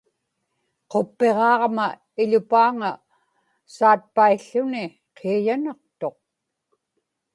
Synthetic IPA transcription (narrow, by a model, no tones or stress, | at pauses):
qo̞pːe̞ʁɑːʁma | ɪʎʊpaːŋa | saːt̪̚paiɬːʊnɪ | qʰeajanɑq̚t̪o̞q̚